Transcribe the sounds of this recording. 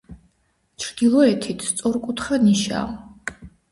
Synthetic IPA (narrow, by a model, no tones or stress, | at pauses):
t͡ʃʰɾd̪̥ilˠɔɛt̪ʰit̪ʰst̪sʼɔɾkʼut̪ʰχaniʃa̰ː